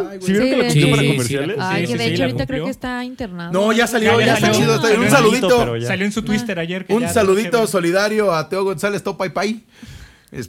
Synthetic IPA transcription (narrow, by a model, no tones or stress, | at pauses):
siβjeɾokelekut̪opaɾakomeɾsjjaleðɾik̪akɾeoest̪aint̪eɾnanoʝasaljojat̪at͡ʃiðoet̪aeunsaluðit̪osaljoensut̪wist̪eɾaʝeɾkunsaluðit̪o̞so̞liðaɾjo̞at̪eoɣonsale̞st̪opajpaj | ḛs